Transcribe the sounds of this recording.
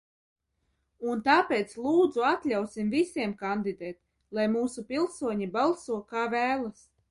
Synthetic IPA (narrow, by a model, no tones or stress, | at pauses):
unt̪aːpʲɛːt̪slˠuːd̪zuat̪lʲawsimvisʲiɛmkand̪id̪ɛːt̪̚ | lˠajmuːsupʲilˠsuɔɲibalˠsuɔkaːvæːlˠas